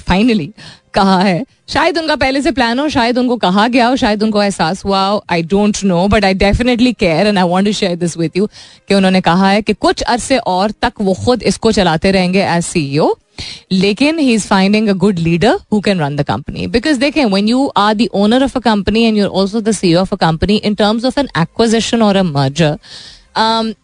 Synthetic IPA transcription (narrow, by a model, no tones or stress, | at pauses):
faɪnəlikɐɦaɦɛː | ʃaːjəd̪ʊnkap̬ɛɦles̬eplæːnɦõʃaːjəd̪ʊnkokɐɦaɡɐjaɦoʃaːjəd̪ʊ̃nkoɛːsaːsɦuaoʔaɪɖõːnʈnoːbɐʈaɪɖɛfɪnəʈ̬likɛːɾɛ̃naɪʋɔ̃ːɳʈuʃɛːɾd̪ɪsʋɪd̪jukeʊ̃nɦõːnekɐɦaɦɛkekʊt͡ʃʰɐɾseʔɔːɾt̪ɐkʋoxʊd̪ɪskot͡ʃɐlaːt̪eɾɛɦẽːŋɡeʔɛzsiːioː | leːkɪ̃nhiːzfãɪ̃ɳɖɪ̃ŋəɡʊɖliːɖəɾhuːkɛ̃nɾɐ̃nd̪əkɐ̰̃mpənḭbɪkɔzd̪eːkʰẽʋɛ̃njuːʔaːɾd̪iʔoːnəɾɔfəkɐ̃mpəniɛ̃nɖjɔːɾʔɔ̰ːlsod̪əsiːoɔfəkɐ̃mpəniʔɪ̃nʈəːɾmzɔfɛ̃nækwɪzɪʃə̃nɔːɾəməːd͡ʒəɾ | m